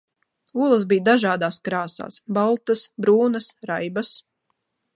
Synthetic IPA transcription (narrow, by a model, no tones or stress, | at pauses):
uɔlˠas̬bijd̪aʒaːd̪aːskɾaːsa̰ːsbalˠt̪asbɾuːnɐsɾajbas